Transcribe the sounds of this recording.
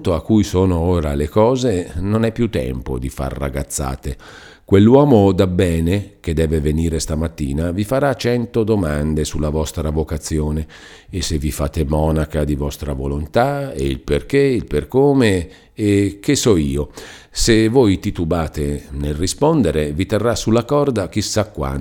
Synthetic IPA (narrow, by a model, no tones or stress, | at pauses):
t̪oakːujsoːnooːɾalekɔːzenonɛpːjut̪ːɛ̰mpo̰d̪ifa̰rːa̰ɡat̪sːa̰ːt̪e | kwelːwɔːmod̪abːɛːnek̟ed̪ɛːveveniːɾest̪amat̪ːiːnavifaɾat͡ʃɛnt̪od̪omand̪esulːavɔst̪ɾavokat̪sːjoːneː | sevifa̰ːt̪emɔːnakad̪ivɔst̪ɾavolont̪aḛḭlperk̟eilperkoːmeː | k̟esɔiːo | sevojt̪it̪ubaːt̪enelrispond̪eɾevit̪erːasulːakɔrd̪ak̟isakːwa̰n